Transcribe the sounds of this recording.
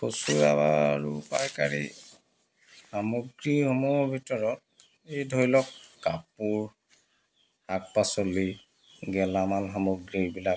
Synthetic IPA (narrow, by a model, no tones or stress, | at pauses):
kosuɹabaɹupajkaɹḭ | hamɔɡɹihɔmubʱitɔɹɔt̚ | ejdʱoilɔkːapuɹ | hak̚pasoli | ɡɛlamalɦamɔɡɹibilak